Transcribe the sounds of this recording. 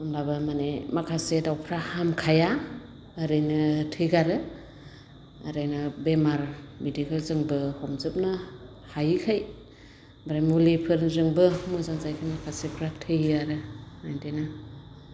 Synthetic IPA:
ɔmlabɯmanemakʰasedawpʰɾahamkʰajaː | ɾɯjnɯtʰɯjɡaɾɯ | ɾɯjnɯbemaɾmedikʰalzɯŋbɯhɔmzɯp̚nɯ | hajkʰaj | baɾajmulipʰɯɾzɯŋbɯmɯzanzajkʰɯmakʰasepʰɾatʰɯjaɾɯajdena

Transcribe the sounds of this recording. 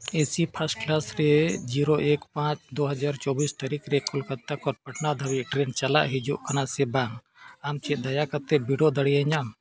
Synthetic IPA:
esipʰasʈ̚klasɾɛd͡ʒiɾoʔekpãt͡ʃd̪oɦɐd͡ʒaɾt͡ʃɔbist̪aɾikɾɛkɔlkət̪ːakɔɾpɐʈnad̪ʱəbiʔʈɾent͡ʃala̰ʔɦid͡ʒuʔkanasɛbaŋ | amt͡ʃɛʔ̚d̪ajakat̪ɛbiɽɔd̪əɽijaɲam

